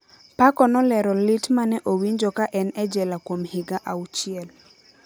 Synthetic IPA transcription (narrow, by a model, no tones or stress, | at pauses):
pakɔnɔlɛɾɔlɪtmanɛʔowiɲd͡ʒɔkaʔɛnɛd͡ʒɛlakwomhɪɡaʔaut͡ʃɪɛl